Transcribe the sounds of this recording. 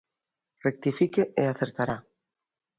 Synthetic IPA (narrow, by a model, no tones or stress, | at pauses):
rek̚t̪ifikeʔeaθeɾt̪aɾa